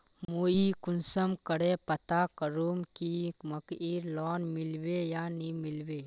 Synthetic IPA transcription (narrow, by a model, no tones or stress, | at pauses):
muːikʊnsəmkəɽepət̪akəɾuːmkimɐkiːɾlɔːnmɪlwejaːnimɪlweː